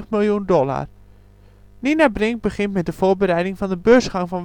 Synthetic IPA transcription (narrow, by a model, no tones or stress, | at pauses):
χmɪlˠjundɔla̰r | ninabrɪŋ̚bəχɪntmɛt̚dəfoːbəɾɛjdɪŋvɑndəbøːsχɑŋfɔn